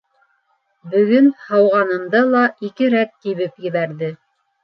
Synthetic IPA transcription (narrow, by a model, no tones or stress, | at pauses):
bɵ̆ɡɵnhɑwʁɑnɤ̆md̪ɤlˠɑʔikɘɾækːiβɘpjɘ̆βæɾðɘ